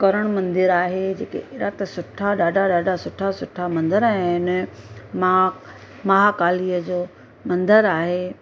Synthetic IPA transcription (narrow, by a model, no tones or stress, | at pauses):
kɐɾəɽ̃mɐ̃nd̪ɪɾaːɦed͡ʑeːkḛʔɪɽat̪ɐsʊʈʰaɗaːɖʱaɗaːɖʱasʊʈʰasʊʈʰamɐ̃nd̪əɾɛ̃ɪn | mɐɦakaːliːəd͡ʑoː | mɐ̃nd̪əɾaːɦeː